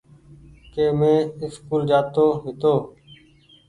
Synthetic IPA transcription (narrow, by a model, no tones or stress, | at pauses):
keːmẽːɪskuːld͡ʒaːt̪oːɦɪt̪oː